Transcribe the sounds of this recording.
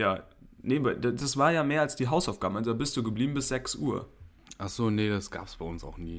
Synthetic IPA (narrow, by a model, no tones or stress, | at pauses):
ja̰ː | nebadad̥asv̥aːɐjaːmeːɐalsd̥iːɦaʊsaʊfɡ̥aːm̩alzodaːbɪst̚d̥uːɡəbliːbm̩bɪsz̥ɛksʔuːɐ | ʔaχz̥oːnedasɡ̥a̰ːpə̥sb̥aɪʊnsa̰ʊxniː